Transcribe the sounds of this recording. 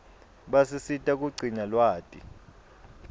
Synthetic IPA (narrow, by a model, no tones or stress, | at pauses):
ɓasisitʼak̬ʼuɡ͡ǀʱiɲalwaːtʼḭ